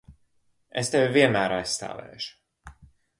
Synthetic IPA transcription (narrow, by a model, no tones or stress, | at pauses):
est̪evʲviɛnmæːɾajsst̪a̰ːvɛ̰ːʃu̥